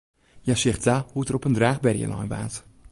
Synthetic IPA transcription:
jasɪxtahutərɔpəndraːxbɛrjə̰lʔɔ̰jnʋa̰ːt

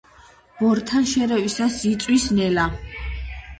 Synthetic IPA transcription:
b̥ɔɾt̪ʰanʃɛɾɛvisasit̪sʼwisnɛla

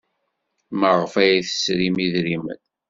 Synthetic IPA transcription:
məʁəfæjæθə̥sɾimiðɾimə̰n

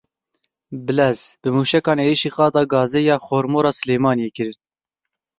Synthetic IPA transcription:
bɨlɛzbɨmuːʃɛkɑːneːɾiʃiːqɑːd̪ɑːɡɑːzeːjɑːxoːɾmoːɾɑːsɨleːmɑːnijeːkɨɾɨn

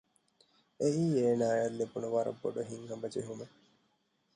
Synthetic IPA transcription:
eiːeːnaːjɐlːebunuʋɐɾɐ̰bːo̰ɖuɦiŋhɐmbɐd͡ʒḛɦume

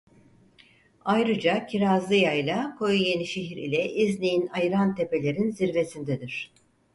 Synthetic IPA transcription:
ajɾɯd͡ʒacʰiɾazlˠɯjajlʲˠakʰo̞juje̞niʃeɦiɾḭlʲɛʔiznijinajɯɾant̪ʰe̞pe̞lʲe̞ɾinziɾve̞sind̪ɛd̪iɾ̝̥

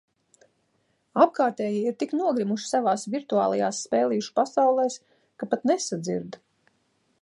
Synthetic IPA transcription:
ap̚kaːɾt̪eːjiiɾt̪iknuɔɡɾimuʃsavaːsvʲiɾt̪ua̰ːlˠajaːsːpɛːlˠijuʃu̥pasawlˠɛːs | kapat̪nesad̪zḭɾd̪

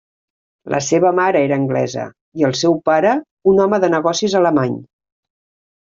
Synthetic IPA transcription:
lʔə̰seβəmaɾəeɾəːŋɡlɛ̰zə̰ | iəlˠsɛwpaɾə | unɔməðənəɣ̞ɔsizələmaɲ

